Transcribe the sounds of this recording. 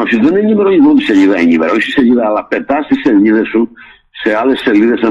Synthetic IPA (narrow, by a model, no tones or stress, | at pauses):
apsid̪eneɲimeɾoɲiðod̪iseʎiðaeɲimeɾosiseʎiðaːlapet̪asiseʎiðesu | sealesːeliðese